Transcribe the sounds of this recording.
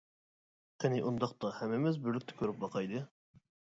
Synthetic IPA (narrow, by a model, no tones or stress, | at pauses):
qʰenɪʔund̪ɑq̚t̪ɑhɛmːɪmɪzbɪɾlɪk̚ʲt̪ʰɛ̥kʲʰøɾɪp̚bɑqʰɑjd̪ɨ